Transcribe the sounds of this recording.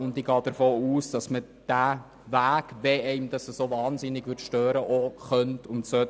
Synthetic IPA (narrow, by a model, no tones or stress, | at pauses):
ʊndiɡɑːd̥əɾfoːuːsd̥ɑsmə | d̥æ | ʋæːɡ̥ʋɛɛɪmd̥ɑsəsovɑːnsɪnːɪɡʋʏɾtʃtøːɾəʔoχœntʰʊntsœt